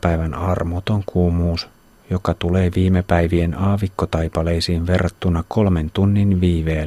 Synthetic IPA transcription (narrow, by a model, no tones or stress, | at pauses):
pæjʋænɑrmot̪oŋkʰuːmuːs | jo̞kɑt̪uleːʋiːmepæjʋie̞nɑːʋikːot̪ɑjpɑlejsiːnʋe̞rːɑt̪ːunɑko̞lme̞nt̪unːinʋiːʋeː